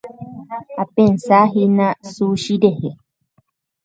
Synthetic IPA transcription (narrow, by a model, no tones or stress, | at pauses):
apensaɦinasuʃiɾehe